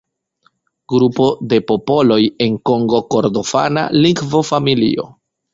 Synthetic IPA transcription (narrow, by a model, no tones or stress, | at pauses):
ɡɾupo̞de̞po̞po̞lo̞je̞ŋko̞ŋɡo̞ko̞ɾdo̞fa̰na̰liɡvofamilḭo̞̰